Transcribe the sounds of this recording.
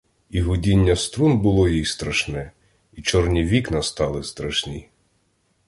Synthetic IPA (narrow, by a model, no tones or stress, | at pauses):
iɦʊdʲinʲːɐst̪ɾunbʊlˠɔjixst̪ɾɐʃnɛ | it͡ʃɔrnʲiʋʲiknɐst̪ɑlˠɪst̪ɾɐʃnʲḭ